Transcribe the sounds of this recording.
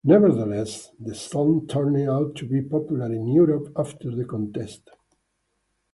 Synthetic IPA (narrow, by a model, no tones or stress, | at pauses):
nɛvəɾðəlɛsðəstɔ̃ntʰɜɹnɪ̃awtʰːubipɔpjulaɾɪ̃njuɾɔpaft̪ʰəɾðəkɔ̃nt̪ɛst̪